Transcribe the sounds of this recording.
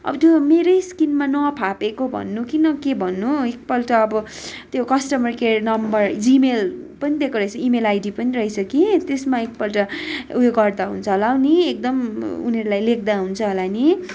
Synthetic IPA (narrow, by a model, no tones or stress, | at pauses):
ʌ̰bʌt̪jomeɾʌjskinmanʌpʰapekobʱʌ̰nːukinʌkebʱʌnːuek̚pʌlʈʌːbʌ | t̪jokʌsʈʌmʌrkernʌmbʌrd͡zimelpʌnid̪ekoɾʌjt͡sʰʌimelajɖipʌniɾʌɦisʰʌkit̪esmaek̚pʌlʈʌujoɡʌrd̪aɦṵnt͡sʰʌlawniek̚d̪ʌmuneɾulajlek̚ʰd̪aɦunt͡sʰʌɦolani